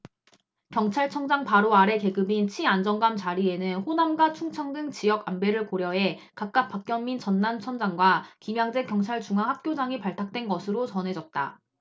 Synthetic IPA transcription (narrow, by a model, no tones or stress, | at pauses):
kjʌŋt͡ɕʰaɭt͡ɕʰʌŋd͡ʑaŋpaɾoaɾe̞ke̞ɡɯbint͡ɕʰiand͡ʑʌŋɡamt͡ɕaɾie̞nɯnɸonamɡat͡ɕʰuŋt͡ɕʰʌŋdɯŋt͡ɕijʌɡambe̞ɾɯɭkoɾjʌɦe̞kak̚k͈ak̚p͈ak̚k͈jʌmmːint͡ɕʌnːant͡ɕʰʌŋd͡ʑaŋɡwakimjaŋd͡ʑe̞kjʌŋt͡ɕʰaɭt͡ɕuŋɦaŋhak̚k͈jod͡ʑaŋipaɭtʰak̚t͈we̞nɡʌsʰɯɾot͡ɕʌnɦe̞d͡ʑʌt̚t͈a̰